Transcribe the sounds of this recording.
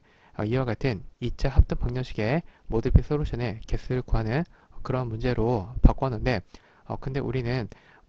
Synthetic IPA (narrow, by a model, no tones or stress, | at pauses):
ʌ̰iwaɡatʰɯnit͡ɕ͈ahap̚t͈ʰɯŋpaŋɲʌŋɕʰiɡe̞modɯpʰisʰɯɾot͡ɕʰʌne̞ke̞s͈ʰɯɭkuɦanɯnʌkɯɾʌɦanmund͡ʑe̞ɾopak͈ʌnːɯnde̞ | ʌ̰kɯnde̞̰ʔuɾinɯn